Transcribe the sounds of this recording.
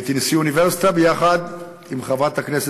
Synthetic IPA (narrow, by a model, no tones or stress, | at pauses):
t̪insiuniveʁsi̥t̪abejaχad̪ | imχavat̪haknese